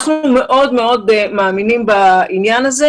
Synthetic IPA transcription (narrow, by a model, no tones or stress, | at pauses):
χnume̞ʔo̞dme̞o̞dmaːminimbainjanaze